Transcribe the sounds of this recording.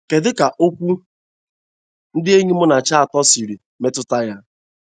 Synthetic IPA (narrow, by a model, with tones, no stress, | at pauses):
ke˨dɪ˦ka˨ʔo˦kʷu˦ | n̩˦dɪ˦e˦ɲi˦mʊ˦na˨t͡ʃa˦a˨tɔ˦si˨ɾi˨ | me˦tʊ˦ta˦ja˦